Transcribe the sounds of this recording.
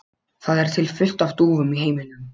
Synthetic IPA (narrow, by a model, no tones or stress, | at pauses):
θaðɛɾ̥t̪ʰɪlfʏl̥t̪aft̪uːvʏmiɦeːjmɪnːʏm